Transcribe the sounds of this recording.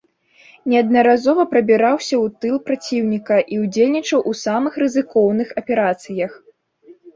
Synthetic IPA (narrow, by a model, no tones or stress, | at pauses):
nʲɛɐd̪̚nɐɾazɔvɐpɾɐbʲiɾawsʲɐwt̪ɨlˠpɾat͡sʲiwnʲikɐʔiwd͡zʲelʲnʲit͡ʂɐwʔusamɨxrɨzɨkɔwnɨxɐpʲɛɾat̪sɨjɐx